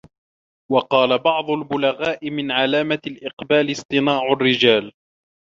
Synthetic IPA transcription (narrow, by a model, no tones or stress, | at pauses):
wɑqɑːlabɑʕd̪ˤʊlbʊlaɣaːʔɪmɪnʕalaːmalʔɪqbaːlɪsˤt̪ˤɨnaːʕʊrːɪd͡ʒaːl